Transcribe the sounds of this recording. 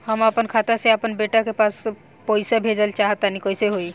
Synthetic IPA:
həməpənkʰat̪aseapənbeʈakepas | pɔjsabʱed͡ʒəlt͡ʃaɦt̪anikojseɦoj

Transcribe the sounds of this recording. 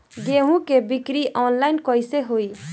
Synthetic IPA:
ɡeɦũkebɪkɾiʔɔːnlaɪnkɔiseɦoi

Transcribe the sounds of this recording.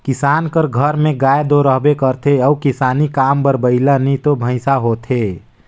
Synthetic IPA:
kɪsaːnkəɾɡʱəɾmẽɡaːed̪oɾəɦbekəɾt̪ʰeəukɪsaːnikaːmbəɾbəɪlanit̪obʱə̃ɪsaɦot̪ʰe

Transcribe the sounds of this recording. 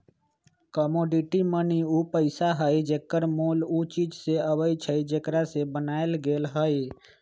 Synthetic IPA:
kəmoːɖiʈiməniuːpəɪsaɦəid͡ʒeːkːəɾmoːlut͡ʃiːd͡ʒseəʋəit͡ʃʰəid͡ʒekɾasebənaːelɡeːlɦəi

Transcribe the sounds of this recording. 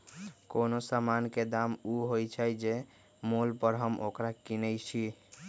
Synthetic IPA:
konosamanked̪amuɦojt͡ʃʰɛjd͡ʒe | molpəɾɦəmʔokɾakinəjt͡ʃʰi

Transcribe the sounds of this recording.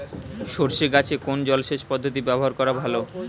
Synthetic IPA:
ʃoɾʃeɡat͡ɕʰekond͡ʑɔlʃeʃpɔd̪ʱːot̪̬ibɛboɦaɾkɔɾabʱalo

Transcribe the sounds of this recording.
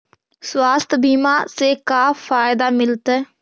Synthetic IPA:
swaːst̪ʰbiːmaːseːkaːfʰaːɪd̪aːmɪlt̪ɛː

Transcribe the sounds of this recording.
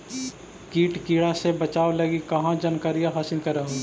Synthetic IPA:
kiːʈkiːɽasebɐt͡ʃaːʋlɐɡikɐɦãd͡ʒɐnkaːɾijãɦaːsɪlkɐɾeɦ

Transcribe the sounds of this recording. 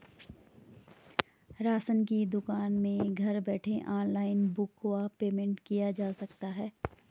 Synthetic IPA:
ɾaːsənkid̪ʊkaːnmẽɡʱɐɾbɛːʈʰẽʔaːnlaːɪnbʊkwapeːmẽɳʈkijad͡ʒaːsɐkt̪aɦɛː

